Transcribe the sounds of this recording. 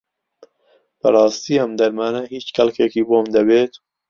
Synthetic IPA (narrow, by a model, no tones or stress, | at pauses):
b̥ɐɾɑːst̪iːɐmd̪ɐɾmaːnɐhiːt͡ʃkʰɐlkeːkiːboːmd̪ɐbeːt̪